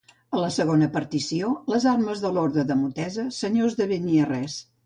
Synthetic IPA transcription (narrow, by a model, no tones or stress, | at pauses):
ələsəɣonəpəɾt̪isioləzarməzðəloɾðɾəðəmut̪ɛzəsəɲozðəβəniərɛs